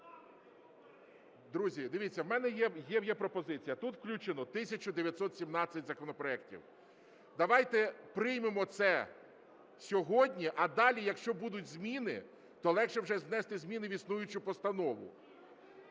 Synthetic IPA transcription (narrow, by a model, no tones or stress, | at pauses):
d̪ɾuzʲid̪ɪʋʲit͡sʲːɐwmɛnɛjɛjɛwjɛpɾɔpɔzɪt͡sʲijɐt̪ut̪wklʲut͡ʃenɔt̪ɪsʲɐt͡ʃʊd̪eʋʲjɐt̪sɔt̪sʲimnɑt͡sʲːɐtʲzɐkɔnɔpɾɔɛk̚tʲḭw | d̪ɐʋɑjt̪ɛpɾɪjmemɔt̪sɛ | sʲɔɦɔdʲnʲiʔɐd̪ɑlʲijɐkʃt͡ʃɔbud̪ʊtʲzmʲinɪ̰ | t̪ɔlˠɛkʃɛwʒɛznɛst̪ɪzʲmʲinɪʋʲisnujʊt͡ʃʊpɔst̪ɐnɔʋʊ̰